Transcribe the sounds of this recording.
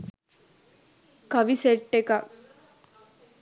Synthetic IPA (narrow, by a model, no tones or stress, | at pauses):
kɐʋiseʈːekɐʔ